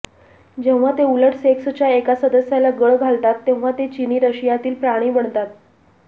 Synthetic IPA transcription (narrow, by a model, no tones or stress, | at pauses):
d͡ʑẽʋʋat̪euləʈseksət͡ɕjaekasəd̪əsjalaɡəɭɡʱalt̪at̪ːẽʋʋat̪et͡ɕiniːɾəɕijat̪iːlpɾaɽ̃iːbəɳt̪at̪̚